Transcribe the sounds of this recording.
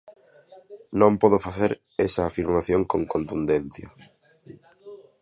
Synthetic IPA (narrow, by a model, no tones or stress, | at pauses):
nõmpɔðʊfaθeɾ | esɐːfiɾmaθjoŋkõŋkont̪und̪enθjɐ